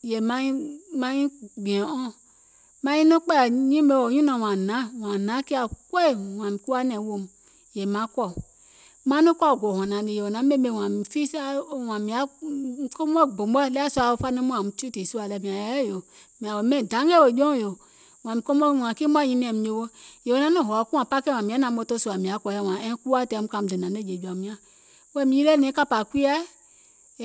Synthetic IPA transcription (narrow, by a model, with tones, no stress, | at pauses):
je˨ma˦i˦ma˦jĩ˦ɡ͡bi˨e˨õ˦ | ma˦ɲĩ˦no˦k͡pe˦˨ɲĩ˦me˨wo˨ɲĩ˦no˨wã˨nã˨˦wã˨nã˨˦ki˦a˨kʷe˦˨wã˨mi˨ku˦a˦nɛ˨˦wo˨m˨ | je˨mã˨˦kʷɔ˦˨ | ma˦nu˦kʷɔ˦˨ɡʷo˨ho˨nã˨di˨je˨o˨nã˨˦me˦me˨wã˨mi˨fi˦sa˦o˦wã˨mi˨a˨˦ko˦m˦ɛ˦ɡ͡bo˨m˦ɛ˦lɛ˦a˦su˦a˨wo˦fa˦ne˦mũ˦ã˨mu˨˦t͡ʃu˦ti˨su˦a˨lɛ˨mĩ˨ã˨jɛ˨˦jo˨ | mĩ˨a˨wo˨mɛ̃˦˨dã˨˦ŋɛ˦wo˨d͡ʒɔ̃˦˨jo˨ | w̃ã˨mi˨ko˦m˦o˦˨wã˨ki˦mʷ˦a˦ɲĩ˧nĩ˨ɛ˨mi˨˦o˨wo˦je˨wo˨nã˨˦no˦˨ɦɔ˨ku˦ã˨pa˦kẽ˦˨ã˨mĩ˨a˨˦nã˨˦mo˦to˦su˨a˨mĩ˨a˨˦kɔ˨jɛ˦˨wã˨ɛ̃˦ku˦a˦tɛ˨˦m̩u˦ka˨m̩˨de˨nã˨ne˦˨d͡ʒe˨d͡ʒu˨a˨mĩ˦ã˦ | wɛ˦˨mĩ˨˦i˦le˦nẽ˨˦ka˦pa˨kʷi˦ɛ˦˨